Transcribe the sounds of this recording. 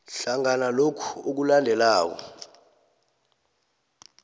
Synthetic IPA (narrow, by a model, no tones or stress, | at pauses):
ɬaŋanalokʰuok̬ulandʱɛlaːk̬ɔ̰